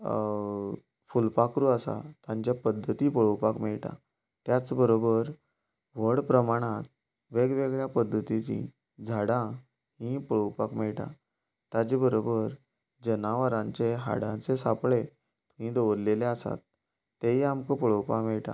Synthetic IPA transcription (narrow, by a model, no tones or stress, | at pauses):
fulpakɾuəsa̰t̪ãɲt͡ɕjapəd̪ʱːət̪iːpəɭowpakmɛɭʈã̰ | t̪jat͡sbəɾobəɾ | ʋəɽpɾəmaɽ̃ãt̪̚ | ʋeɡʋeɡɭjapəd̪ʱːət̪it͡ɕḭ̃ | d͡zʱaɽã | ɦĩpəɭowpakmɛɭʈa̰ | t̪ad͡ʑibəɾobəɾ | d͡ʑənaʋəɾãɲt͡seɦa̰ɽãt͡sesapɭe | t̪ũɦĩd̪oʋɾleleasa̰t̪ː | eɦiamkəpəɭəwpakmɛɭʈa̰